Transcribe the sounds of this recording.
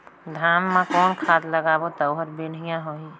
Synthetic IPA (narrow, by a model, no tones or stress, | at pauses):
d̪ʱaːmːãkɔːnkʰaːd̪ləɡaːbot̪əʊɦəɾbeɽ̤ijãɦoi